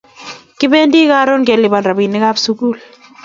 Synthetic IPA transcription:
kɪ˦be˦ndi˦ka˦ɾo˦nkɛ˨lɪ˨ba˨nda˨bi˨nːɪ˦ka˦bsu˦ku˦˨l

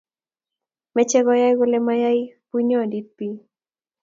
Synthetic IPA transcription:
mɛ˦t͡ʃɛ˦ɣɔ˦ja˦jɡo˦lɛ˦ma˦ja˦jpu˦ɲɔ˦˨di˦t̚pi˦

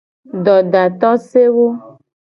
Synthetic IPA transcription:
ɖɔ˨ɖa˨t̪ɔ˦se˦wo˦

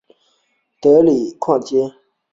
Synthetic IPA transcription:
t̪ə˩˨li˨kʰɑ̃˥˨t͡ɕe˥˨

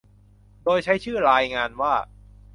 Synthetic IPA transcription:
doː˧jt͡ɕʰa˦˥jt͡ɕʰɯː˥˩ɾaː˧jŋaː˧nwaː˥˩

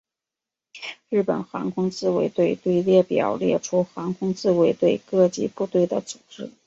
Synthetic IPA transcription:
ɻɻ̩˥˩pə˨˩nxa˧˥ŋkʰʊ˥ŋt͡sɹ̩˥˧we˧˥ɪt̪we˥˧ɪt̪we˥˧ɪljɛ˥˩pjɑ̰˨˩ʊljɛ̰˥˩ʈ͡ʂʰu˥xa˧˥ŋkʰʊ˥ŋt͡sɹ̩˥˩we˧˥ɪt̪we˥˧ɪkɤ˥˧t͡ɕi˥˧pu˥˧t̪we˥˩ɪd̪ə˩t͡su˨˩ʈ͡ʂɻ̩˥˩

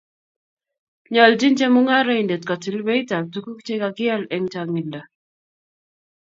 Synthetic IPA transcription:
ɲɔ˨ld͡ʒi˦nt͡ʃɛ˦mʊ˦ŋa˦ɾa˦i˨nde˨tkɔ˨ti˨lwe˦i˦ta˨b̚tu˦ku˦k̚t͡ʃe˦ka˦kɪ˦ɛ˦lɛ˦ŋt͡ʃa˨ŋi˨nda˨

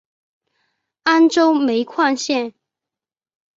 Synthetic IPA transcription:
a˥nʈ͡ʂo˥ʊme˨˧˥ɪkʰwa˥˧nɕjɛ˥˩n

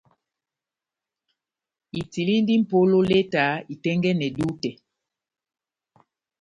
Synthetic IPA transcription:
i˨ti˨li˦n˦di˦m̩˨po˦lo˦le˦ta˨˦i˨tɛ˦ŋɡɛ˦nɛ˨du˦tɛ˨

